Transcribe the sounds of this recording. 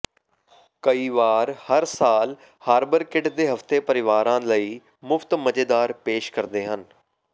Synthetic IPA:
kəiːʋaːɾhəɾsaːl | haːɾbəɾkɪɖd̪eːɦəft̪eːpəɾɪʋaːɾãːləiː | mʊfʰt̪məd͡ʒeːd̪aːɾpeːʃkəɾd̪eːɦən

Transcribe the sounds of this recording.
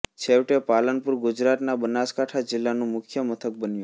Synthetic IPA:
t͡ʃʰewʈepalənpuɾɡʊd͡ʒɾat̪nabənaskaʈʰad͡ʒɪlːanũmʊkʰjəmət̪ʰək̚bənju

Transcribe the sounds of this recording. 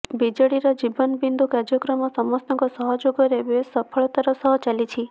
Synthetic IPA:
bid͡ʒəɽiɾɔd͡ʒibənbind̪ʱukaɾd͡ʒjɔkɾɔmɔsɔmɔsnɔŋkɔsɔɦɔd͡ʒoɡɔɾeʋesəpʰəɭt̪aɾɔsɔɦɔt͡ʃalit͡ʃʰi

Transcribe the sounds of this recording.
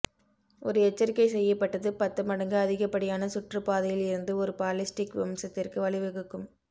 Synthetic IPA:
ʔɔɾɯɛt͡ʃːɐɾɪkːɐɪsɛjːɐpːɐʈːɐðɯpɐt̪ːɐmɐɽɐŋɡɯɐðɪɣɐpːɐɽɪjaːnɐsʊʈrɯpaːðɐjɪlɪɾɯnd̪ɯɔɾɯpaːlɪsʈɪkʋɪmsɐt̪ːɪrkɯʋɐɭɪʋɯɣɯkːɯm

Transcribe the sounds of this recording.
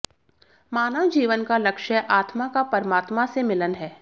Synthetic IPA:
maːnəʋd͡ʒiːʋənkalɐkʃəʔaːt̪makapɐɾəmaːt̪masemɪlənɦɛː

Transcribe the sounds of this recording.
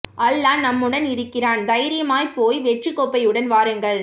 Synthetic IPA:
ɐlːaːnɐmːɯɽɐnɪɾɯkːɪraːnd̪ɐjɾɪjɐmaːjpoːjʋɛʈrikːoːpːɐjɯɽɐnʋaːɾɯŋɡɐɭ

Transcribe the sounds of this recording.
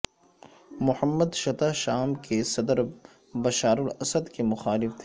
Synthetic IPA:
mʊhəmːəd̪ʃɐt̪aʃaːmkesɐd̪əɾ | bɐʃaːɾʊlɐsəd̪kemʊxaːlɪft̪ʰeː

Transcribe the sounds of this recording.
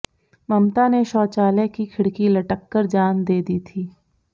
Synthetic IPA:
mɐmt̪aneʃɔːt͡ʃaːlekikʰɪɽkilɐʈəkːəɾd͡ʒaːnd̪eːd̪iːt̪ʰiː

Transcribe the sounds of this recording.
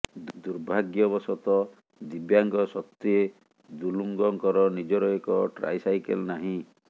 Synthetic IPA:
d̪uɾbʱaɡjɔβɔsɔt̪ɔ | d̪ibjaŋɡɔsɔt̪ːie | d̪uluŋɡɔŋkɔɾɔnid͡ʒɔɾɔekɔʈɾa̰jsajkḛlnaɦĩ

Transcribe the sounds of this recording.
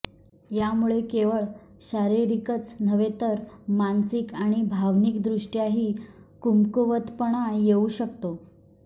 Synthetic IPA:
jamuɭekeʋəɭ | ɕaɾiɾikət͡snəʋet̪əɾmansikaɽ̃ibʱaʋnikd̪ɾuʂʈjaɦiːkumkuʋət̪pəɳ̃ajeuɕək̚t̪o

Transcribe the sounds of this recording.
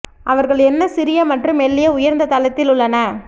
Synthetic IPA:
ʔɐʋɐɾɣɐɭɛnːɐsɪɾɪjɐmɐʈrɯmɛlːɪjɐʊjɐɾnd̪ɐt̪ɐlɐt̪ːɪlʊɭːɐnɐ

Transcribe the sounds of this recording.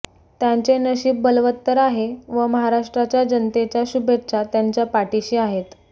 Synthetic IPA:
t̪jaɲt͡senəɕiːp̚bəlʋət̪ːəɾaɦeʋəməɦaɾaʂʈɾat͡ɕjad͡ʑənt̪et͡ɕjaɕubʱett͡ɕat̪jaɲt͡ɕjapaʈiɕiːaɦet̪

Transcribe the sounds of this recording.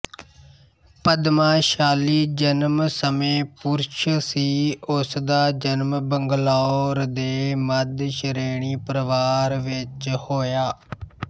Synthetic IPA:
pəd̪mãːʃaːliːd͡ʒənmsəmẽːpuɾʃsiːʊsd̪aːd͡ʒənmbəŋɡlaːɾd̪eːməd̪ʃəɾeːɳiːpɾəʋaːɾʋɪt͡ʃhoːjaː

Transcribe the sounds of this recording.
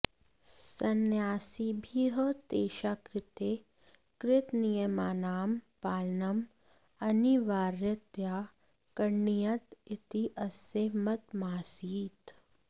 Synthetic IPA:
sɐnjaːsibʱiɦət̪eːʃaːkɾɪt̪eː | kɾɪt̪nijɐmaːnaːmpaːlnɐm | ɐniʋaːɾjɐt̪jaː | kɐɳːijɐt̪it̪iʔɐsemɐt̪maːsiːt̪

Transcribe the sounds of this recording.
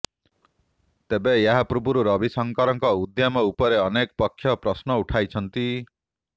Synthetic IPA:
t̪ebejaɦapɾubuɾuɾɔbisɔŋkɔɾɔŋkɔud̪jamɔupɔɾeɔnekpɔkʰːjɔpɾɔsnɔuʈʰajt͡ʃʰɔnt̪i

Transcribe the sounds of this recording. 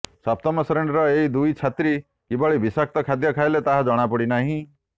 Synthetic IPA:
sɔp̚t̪ɔmɔsɔɾeɳɖɾɔeid̪ujt͡ʃʰat̪ɾi | kibɔɭibisak̚t̪ɔkʰad̪jɔkʰajlet̪aɦad͡ʒɔɽ̃apɔɽinaɦĩ

